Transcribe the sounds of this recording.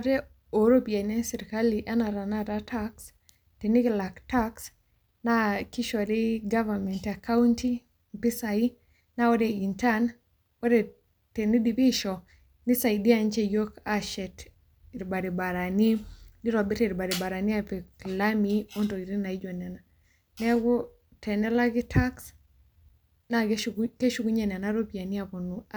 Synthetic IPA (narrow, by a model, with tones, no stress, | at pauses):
ɾe˦ | o˨ɾo˦pi˨a˨nɛ˦sɛ˨ɾika˦liʔa˦na˨ɾa˨naɾataks | tenɪ˦kla˨ktaks | nakɪ˦ʃɔ˨ɾi˦ɡa˦va˨mɛ˨ntaka˦wunti˦ | mpi˦sai | naɔ˦deinta˦n | ɔ˦de | teni˦dipi˦ʃɔ | ni˦sa˨idi˦ant͡ʃe˦jo˦kaʃɛ˨t | i˨ɾba˨ɾi˨ba˨ɾa˨ni˦ni˦ɾɔ˨bɛ˦te˨ɾba˨ɾi˨ba˨ɾa˨ni˦apɛklamio˦nto˨i˨ɾi˦na˨i˦d͡ʒo˨nɛ˨na | nɛ˦ɡɔ˦ | tʰɛ˨nɛ˦la˦ɡɪ˦tʰa˦ks | nake˦ʃu˦ɡu˦ɲe˨nɛ˨naɾo˦pi˨a˨ni˦a˨po˨nu˨